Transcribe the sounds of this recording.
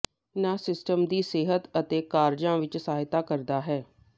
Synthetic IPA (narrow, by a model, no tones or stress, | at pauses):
nãːsɪsʈəmd̪iːseːɦət̪ət̪eːkaːɾd͡ʒãːʋɪt͡ʃsaːɦɪt̪aːkəɾd̪aːɦɛː